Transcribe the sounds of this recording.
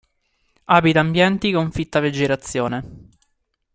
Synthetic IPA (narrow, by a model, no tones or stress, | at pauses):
aːbit̪aːmbjɛnt̪ikoɱfit̪ːaved͡ʒːeɾat̪sːjoːne